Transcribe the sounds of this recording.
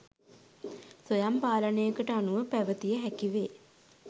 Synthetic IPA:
sojampaːlənejəkəʈəanuʋəpæʋət̪ijəɦækiʋeː

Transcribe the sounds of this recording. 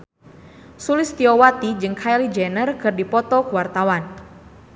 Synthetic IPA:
sulɪst̪iɔwat̪id͡ʒɨŋkʰajlid͡ʒɛnərkɨrdipɔt̪ɔkuwart̪awan

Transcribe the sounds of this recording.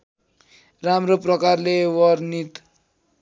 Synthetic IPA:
ramroprʌkarlewʌrnit̪

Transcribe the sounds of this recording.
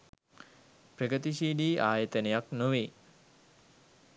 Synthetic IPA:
prəɡət̪iʃiːɖiːʔaːjət̪ənəjaknoʋe

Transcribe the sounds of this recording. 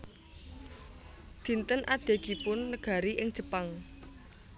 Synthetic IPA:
d̪̥i̤nt̪ənʔad̪̥e̤ɡ̥ipʊnːəɡ̥a̤ɾiʔɪŋd̥ʒ̥ə̤paŋ

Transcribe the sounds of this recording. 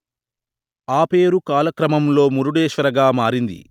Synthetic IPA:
aːpeːɾukaːlɐkɾɐmɐmlo̞ːmuɾuɽeːʃʋɐɾɐɡaːmaːɾind̪ḭ

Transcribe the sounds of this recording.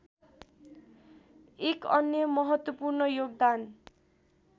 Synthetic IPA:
ekʌnjʌmʌɦʌt̪wʌpurnʌjoɡ̚d̪an

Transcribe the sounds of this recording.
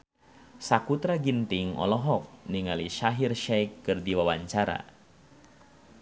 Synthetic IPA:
sakut̪ɾaɡint̪iŋɔ̰lɔɦɔk̚niŋaliʃaɦirʃɛjkːɨrdiwawaɲt͡ʃaɾa̰

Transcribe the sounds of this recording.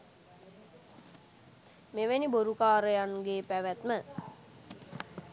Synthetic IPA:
meʋeniboɾukaːɾəjanuɡeːpæʋæt̪mə

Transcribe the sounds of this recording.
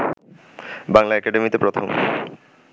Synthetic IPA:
baŋlaɛkaɖemit̪epɾot̪ʰom

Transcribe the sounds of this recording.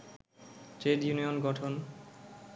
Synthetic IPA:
t͡ɕeɖjunionɡɔʈʰon

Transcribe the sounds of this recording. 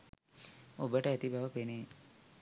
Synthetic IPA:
obəʈəæt̪ibaʋəpeneː

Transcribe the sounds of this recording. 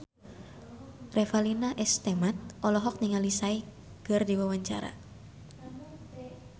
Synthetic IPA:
rʔɛfalinaʔɛst̪ɛmat̪̚ʔɔlɔɦɔk̚niŋalisai | kɨrdiwawaɲt͡ʃa̰ɾa̰

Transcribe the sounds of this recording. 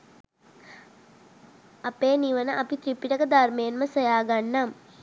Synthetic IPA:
ɐpeːniʋənəʔɐpit̪ɾipiʈəkəd̪armejenməsɐjaːɡanːam

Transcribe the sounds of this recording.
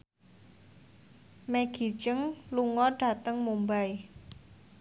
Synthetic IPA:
meɡ̥i̤t͡ʃəŋluŋɔɖ̥a̤t̪əŋmumbaj

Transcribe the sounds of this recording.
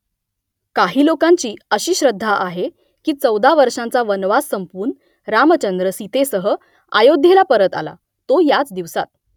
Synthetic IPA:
kaɦiːlokãɲt͡ɕiːəɕiːɕɾəd̪ʱːaʔaɦe | kiːt͡səwd̪ʱaʋəɾʂãnt͡saʋənʋasːəmpuːɾɳ | ɾamət͡ɕənd̪ɾəsit̪esəɦə | a̰jod̪ʱːelapəɾət̪a̰la̰ | t̪ojat͡sd̪iʋsa̰t̪̚

